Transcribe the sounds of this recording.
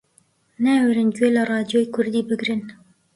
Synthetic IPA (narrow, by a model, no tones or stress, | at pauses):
nawɾɨnd͡ʒelarˤɑːd̪jojkʰʊɾd̪iːbɨɡɾɨn